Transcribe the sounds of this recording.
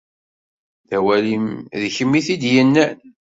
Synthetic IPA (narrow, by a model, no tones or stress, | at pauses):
ðæwælimðçəmːiθid̪jənːæn